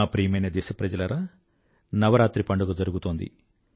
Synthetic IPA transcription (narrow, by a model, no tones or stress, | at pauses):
aːpɾijmɐjnɐd̪ɛːʃɐpɾɐd͡ʒɐlɐɾaː | nɐʋɐɾaːt̪ɾipɐɳɖɐɡɐd͡ʒɐɾuɡut̪oːnd̪ḭ